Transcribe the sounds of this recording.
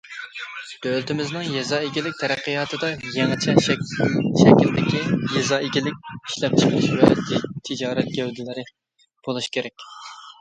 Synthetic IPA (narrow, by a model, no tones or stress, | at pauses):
d̪̥ølt̪ʰɪmɪznɨŋjɛzɑːeɡʲilɪk̚ʲt̪ʰɛɾæqːəjɑːt̪ʰɨd̪ɑjɛŋɨt͡ʃʰɛ | ʃɛkʲild̪ɪkʲijɛzɑːeɡʲilɪkʲiʃlɛp̚t͡ʃʰə̥qʰəlˠɨʃvɛt̪ʰɪd͡ʒɑːɾɛt̪̚ɡʲɛwd̪ɪlɪɾɪ | b̥olˠuʃkʲʰeɾɛkʲ